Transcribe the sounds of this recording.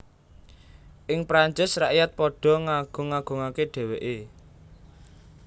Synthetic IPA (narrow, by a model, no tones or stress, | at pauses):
ʔɪŋpɾaɲt͡ʃɪsraʔjat̪̚pɔɖ̥ɔ̤ŋaɡ̥ʊ̤ŋaɡ̥ʊ̤ŋakeɖ̥e̤weʔe